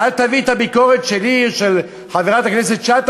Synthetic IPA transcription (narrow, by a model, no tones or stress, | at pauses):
alt̪avit̪abikoʁet̪ʃeliʃel | χaveʁat̪aknes̬et̪t͡ʃat̪